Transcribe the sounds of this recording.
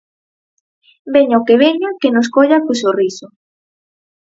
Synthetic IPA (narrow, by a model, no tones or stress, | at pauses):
beɲaokeβeɲakenoskoʎakʊsorisʊ